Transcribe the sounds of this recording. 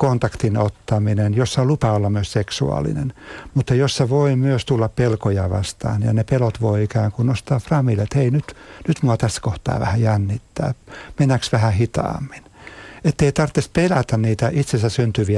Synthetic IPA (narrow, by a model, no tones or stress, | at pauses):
kont̪ɑkt̪inot̪ːɑminenjosːɑlupɑolːɑmmyøsseksuɑ̰lḭnḛnmut̪ːɑjosːɑʋoimyøst̪ulːɑppelkojɑʋɑ̰st̪ɑ̰ːnjɑ̰nepelot̪ʋoiikæːŋkunnost̪ɑːfrɑmilːet̪heinyt̪nyt̪muɑt̪æsːæ̥koht̪ɑ̰ːʋæ̰hæjænːit̪ːæ̰ːmenːæksʋæhæhit̪ɑ̰ːmːi̥net̪ːeit̪ɑrt̪ːespelæt̪ænniːt̪æʔit̪sensæssynt̪yʋiæ